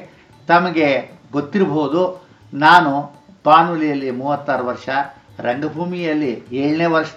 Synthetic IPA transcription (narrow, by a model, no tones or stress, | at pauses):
t̪ɐmɐɡe̞ɡot̪ːiɾboːud̪u | naːnu | paːnulijɐlːimuːʋɐt̪ːaːɾɐʋɐɾʂɐ | ɾeɳɖɐbʱuːmijɐlːieːɭɐneːʋɐɾʂ